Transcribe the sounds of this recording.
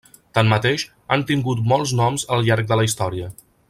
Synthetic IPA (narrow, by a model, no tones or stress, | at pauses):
t̪ammət̪eʃ | ant̪iŋɡut̪mɔlˠznɔmzəlˠʎaɾk̚d̪ələist̪ɔɾiə